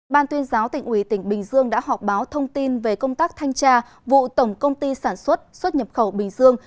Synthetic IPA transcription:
ɓaː˧nt̪wi˧ənzaː˨˦wt̪ï˨˩ŋ̟ʔwi˧˩t̪ï˧˩ŋ̟ɓï˨˩ŋ̟zɨ˧əŋɗa̰ː˧˥ɦɔ˨˩p̚ɓaː˨˦wt̪ʰə˧wŋ͡mt̪i˧nve˨˩kə˧wŋ͡mt̪aː˦˥k̚t̪ʰa˧jŋt͡ɕaː˧ | vṵ˧˨t̪ə˧˩ŋ͡mkə˧wŋ͡mt̪i˧saː˧˩nswə˦˥t̚swə˦˥t̚ɲə˨˩p̚xə˧˩wɓï˨˩ŋ̟zɨ˧əŋ

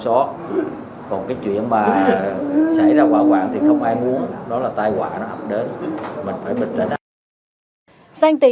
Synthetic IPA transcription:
sɔ˨˦ | kɔ˨˩nkaː˨˦jt͡ɕwḭ˧˨ənmaː˨˩ | sa˧˩jzaː˧kwaː˧˩kwaː˨˩ŋt̪ʰi˨˩xə˧wŋ͡mʔaː˧jmu˨˦ənɗɔ˨˦laː˨˩t̪aː˧jkwa̰ː˧˨nɔ˨˦hə˨˩wk͡p̚ɗe˨˦nmï˨˩ŋ̟faː˧˩jɓï˨˩ŋ̟t̪ə˧˩˦nʔ | saː˧ŋt̪i˧˨

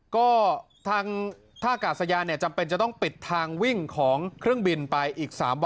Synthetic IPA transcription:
kɔː˥˩ | t̪ʰaː˧ŋ | t̪ʰaː˥˩kaː˨˩t̪̚sa˧jaː˧nːi˥˩ɐt͡ɕa˧mpe˧nt͡ɕa˨˩t̪ɔ˥˩ŋpi˨˩t̪ʰːaː˧ŋwi˥˩ŋkʰɔː˩˦ŋkʰɾɯ˥˩əŋbi˧npa˧jʔiː˨˩k̚sa̰ː˩˦mw

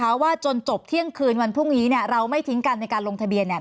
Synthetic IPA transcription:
aː˦˥wːaː˥˩t͡ɕo˧nt͡ɕo˨˩p̚t̪ʰi˥˩əŋkʰɯː˧nwa˧npʰɾu˥˩ŋniː˦˥ni˥˩əɾa˧wma˥˩jt̪ʰi˦˥ŋka˧nːa˧jkaː˧nlo˧ŋt̪ʰa˧bi˧ənːa˨˩

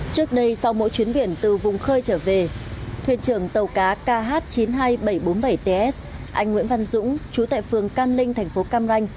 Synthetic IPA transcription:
t͡ɕɨ˦˥ək̚ɗə˧jsa˧wmo̰˧˥jt͡ɕwi˨˦ənɓi˧˩ənt̪ɨ˨˩vʊ˨˩ŋ͡mxəː˧jt͡ɕəː˧˩ve˨˩t̪ʰwḭ˧˨ənt͡ɕɨ˧˩əŋt̪ə˨˩wkaː˨˦kaː˧ɦaː˦˥t̚t͡ɕi˨˦nɦaː˧jɓə˧˩jɓo˨˦nɓə˧˩jt̪e˧ʔɛ˦˥sʔa˧jŋ̟wḭ˧˥ənva˧nzʊ̰˧˥ŋ͡mt͡ɕu˨˦t̪a̰ː˧˨jfɨ˨˩əŋkaː˧nlï˧ŋt̪ʰɛ˨˩jŋ̟fo˨˦kaː˧mza˧jŋ̟

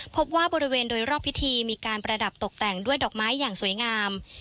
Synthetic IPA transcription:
pʰo˦˥p̚waː˥˩bɔː˧ɾi˦˥weː˧ndoː˧jɾɔː˥˩pʰːi˦˥t̪ʰiː˧miː˧kaː˧npɾa˧da˨˩p̚t̪o˨˩k̚t̪ɛ˨˩ŋdu˥˩əjdɔː˨˩k̚maː˦˥jːaː˨˩ŋsuː˨˩˦əjŋaː˧m

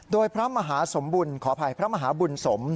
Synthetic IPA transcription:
doː˧jpʰɾa˦˥maː˧ɦaː˩˦so˩˦mbuː˧nkʰɔː˩˦pʰa˧jpʰɾa˦˥maː˧ɦaː˩˦bu˧nso˩˦m

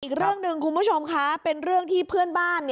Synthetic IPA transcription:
ʔiː˨˩k̚ɾɯ˥˩əŋnɯ˧ŋkʰu˧nbu˦˥˩t͡ɕʰo˧mkʰa˦˥pe˧nɾɯ˥˩əŋt̪ʰiː˥˩pʰɯ˥˩ənbaː˥˩nːi˥˩

